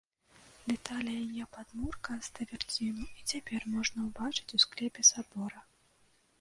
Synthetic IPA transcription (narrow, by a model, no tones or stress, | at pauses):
d̪ɛt̪alʲijɐjɛpad̪murkɐst̪ɐvʲɛrd͡zʲinuit͡sʲapʲɛrmɔʐnɐwbat͡ʂɨ̥t͡sʲusklʲɛpʲɛsabɔɾɐ